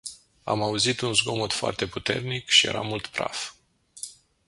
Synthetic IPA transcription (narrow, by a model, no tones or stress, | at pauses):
a̰mauzit̪unzɡo̞mot̪foa̰rt̪e̞put̪e̞̰rnikʃijeɾa̰mult̪pɾa̰f